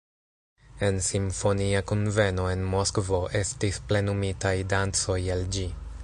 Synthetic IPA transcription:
e̞nsimfo̞niakonve̞no̞e̞nmo̞skvo̞ʔe̞stisple̞numitajdant͡so̞jeld͡ʒi

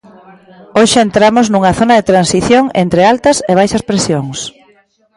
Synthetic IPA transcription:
oʃɪent̪ɾamʊznuŋɐθonɐðet̪ɾansiθjoŋent̪ɾealt̪ɐseβ̞ajʃɐspɾesjoŋs

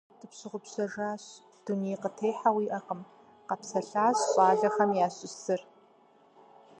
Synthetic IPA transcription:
dd̥ɨpɕɪʁʷʊpɕɐʐaːɕ | d̥unijqətʰeːħawiːʔɐqəm | qɐpsɐɬaːɕɕʼaːɮɐxɐmjaːɕʼɪssɨr

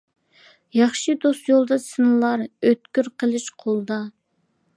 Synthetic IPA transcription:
jɑχʃɨd̪ost̪jolˠd̪ɑsɨnɨlˠɑɾøt̪kʲyɾqʰəlˠɨʃqʰolˠd̪ɑ

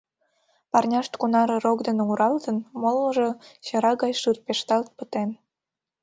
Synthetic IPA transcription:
pɑrnʲɑʃt̪kunɑɾerokd̪eneuɾɑlt̪ənmolməʒet͡ɕɑɾɑɣɑjʃɯrpeʃt̪ɑlt̪̚pət̪en

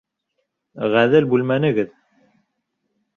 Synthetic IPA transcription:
ʁæðɘlbʉlmænɘ̆ɡɘð

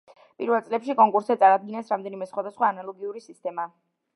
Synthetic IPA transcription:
pʼiɾvɛlˠt̪sʼlɛpʃikʼɔŋkʼuɾsɛt̪sʼaɾad̪̚ɡinɛsɾamd̪ɛnimɛsχwad̪asχwaːnalˠɔɡiuɾisist̪ʼɛma

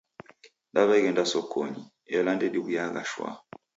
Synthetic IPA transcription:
ndaβaiɣɛndasɔkʰɔɲi | ɛlandɛdiβujaɣa̰ʃwa̰

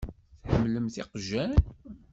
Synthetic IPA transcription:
θħəmːləmθɪqʒæn

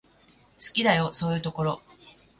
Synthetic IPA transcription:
sɨ̥kʲid̪ajo̞so̞ːjɯ̟ːt̪o̞ko̞ɾo̞

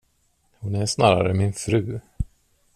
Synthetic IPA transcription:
hʊnæsnɑːɾa̰ɾəmɪnfɾʉ̟ː

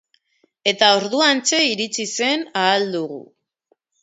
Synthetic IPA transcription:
e̞t̪ao̞ɾðuant͡se̞iɾit͡sise̞naːld̪uɣṵ

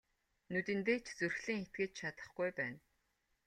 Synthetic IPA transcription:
nut̪ɘ̆nt̪eːt͡ɕt͡surxɮĭːŋxet̪̚ɡĕːt͡ɕ̪t͡ɕʰat̪ə̆χɡujpæːn

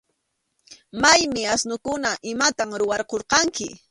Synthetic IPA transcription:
majmɪasnʊkʊnaʔɪmat̪amɾʊwɑɾqoɾqɑŋkɪ

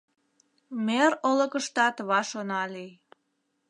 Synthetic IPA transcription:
meɾoləkəʃt̪ɑt̪βɑʃonɑli

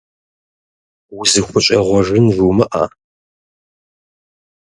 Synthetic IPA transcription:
wʊzɨxʷʊɕʼɐʁʷɔʒɨnʒumɨʔa̰ː

